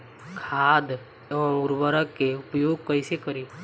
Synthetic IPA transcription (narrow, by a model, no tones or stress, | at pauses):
kʰaːd̪ | ʊɾbəɾəkːeʊpjoːɡ̚kəɪsekəɾi